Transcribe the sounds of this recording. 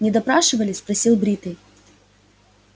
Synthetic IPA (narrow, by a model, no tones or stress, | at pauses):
nʲɪd̪ɐpɾaʂɨvɐlʲɪspɾɐsʲilˠbɾʲit̪ɨj